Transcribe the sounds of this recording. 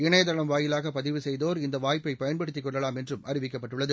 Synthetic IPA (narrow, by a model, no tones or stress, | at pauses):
ɪɳɐjɐðɐɭɐmʋaːjɪlaːɣɐpɐðɪʋɯsɛjðoːɾɪnd̪ɐʋaːjpːɐɪpɐjɐnpɐɽɯt̪ːɪkːɔɭːɐlaːmɛndrɯmɐɾɪʋɪk̬ːɐpːɐʈːɯɭːɐðɯ